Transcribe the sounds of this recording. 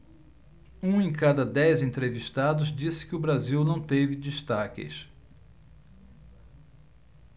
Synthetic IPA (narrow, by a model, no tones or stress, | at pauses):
ũẽj̃kad̪ɐd̪ɛjzẽnt̪ɾeviʃt̪ad̪ʊzd͡ʒisɪ̥kɪʊbɾaziwnɐ̃w̃t̪evɪd͡ʒiʃt̪akɪ̰s